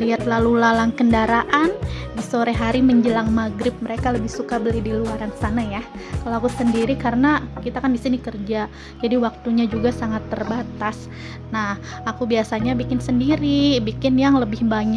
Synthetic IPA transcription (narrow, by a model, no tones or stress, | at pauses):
liat̪lalulalaŋkəndaɾaʔandisoɾɛɦaɾiməɲd͡ʒəlaŋmaɡɾɪp̚məɾekaləbɪhsukabəlihdiluaɾansanaja | kaloakusəndiɾikaɾənakit̪akandisinikərd͡ʒa | d͡ʒadiwak̚t̪uɲad͡ʒuɡasaŋat̪ːərbat̪as | nah | akubiasaɲabikɪnsəndiɾibikɪnjaŋləbɪhbaɲa